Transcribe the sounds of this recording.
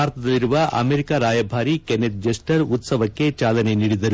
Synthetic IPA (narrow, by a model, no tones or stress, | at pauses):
aːɾt̪ʰɐd̪ɐlːiɾuʋɐʔɐ̰meɾikaːɾaːjɐbʱaːɾikeneʈ̚d͡ʒɐsʈɐɾut̪sɐʋɐkːe̞t͡ʃaːlɐne̞niːɽid̪ɐɾu